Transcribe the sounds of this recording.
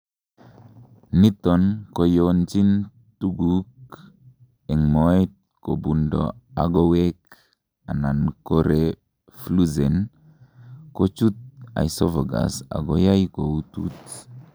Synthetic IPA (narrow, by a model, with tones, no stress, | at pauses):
ni˦t̪ɔ˨nko˨jont͡ʃi˦n | tu˦ɡuk | ɛ˨ŋmoit̪̚ko˨bu˨ndo̰a˨ɡo˦wek | a˨na˨nko˦ɾe | flu˦ze˨n | ko˦t͡ʃu˦t̪̚a̰˨jsɔ˦vo˨ɡa̰˨sa̰˨ɡo˦ja˦jko˨utṵ˦t